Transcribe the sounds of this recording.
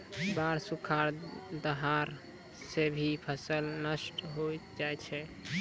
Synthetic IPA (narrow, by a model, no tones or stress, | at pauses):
baɾsukʰaɾd̪əɦaɾ | sebʱipʰəsəlnəsʈɦojd͡ʒaɛt͡ʃʰɛ